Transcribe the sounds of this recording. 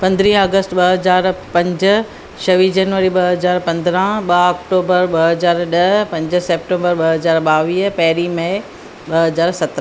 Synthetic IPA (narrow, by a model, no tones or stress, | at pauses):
pɐ̃nd̪ɾĩːɐɡəsʈɓɐɦɐzaːɾpɐ̃ɲd͡ʑ | ʃɐʋid͡ʑɐnʋəɾiɓɐɦɐzaːɾpɐ̃nd̪ɾãɓɐɔːk̚ʈoːbəɾɓɐɦɐzaːɾɗɐpɐ̃ɲd͡ʑ̆seːp̚ʈẽːmbəɾɓɐɦɐzaːɾɓaːʋiːpɐɦɪɾimẽ | ɓɐɦɐzaːɾsɐt̪ɾə̃